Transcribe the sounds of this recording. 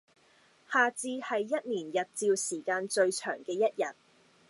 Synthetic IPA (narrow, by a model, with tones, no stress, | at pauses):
haː˨t͡siː˧hɐ˨jːɐ˥t̚niː˨˩njɐ˨t̚t͡siː˧wsiː˨˩kaː˧nt͡ʃɵ˧ɥt͡ʃʰœ̰ː˨˩ŋkɛː˧jɐ˥t̚jɐ˨˩t̚